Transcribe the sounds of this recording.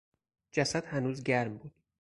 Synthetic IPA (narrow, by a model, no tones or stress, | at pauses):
d͡ʒæsæd̪̥hænuːzɟæɾmbuːd̪̥